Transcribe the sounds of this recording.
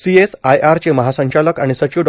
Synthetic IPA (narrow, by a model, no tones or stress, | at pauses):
siesajaɾt͡ɕeməɦasə̃ɲt͡ɕaləkaɽ̃isət͡ɕiɖ